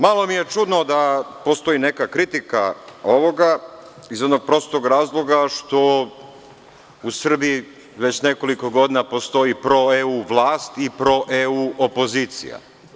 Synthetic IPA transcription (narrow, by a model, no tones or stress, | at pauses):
malˠo̞mije̞t͡ʃud̪no̞d̪apost̪o̞ine̞kakɾit̪ikao̞ʋo̞ɡa | izono̞ɡ̚pɾo̞st̪oɡɾaːzlˠo̞ɡaʃt̪o̞ | usr̩biji | ʋe̞t͡ɕne̞ko̞liko̞ɡo̞d̪inapo̞st̪o̞ipɾo̞euːʋlˠaːst̪ipɾo̞ʔeuopo̞ziːt̪sḭja̰